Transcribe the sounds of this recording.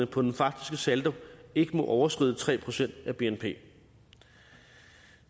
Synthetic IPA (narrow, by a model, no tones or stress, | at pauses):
əpʰɒ̽d̥enfɑ̈ɡ̥d̥isɡ̥əsæld̥ɐe̝ɡ̥əmɒ̽ʔɒʊɐsɡ̥ʁḭðˠt͡sʰʁɛ̰ːpʰʁo̝sen̰d̥æb̥e̝enpʰe̝̰ː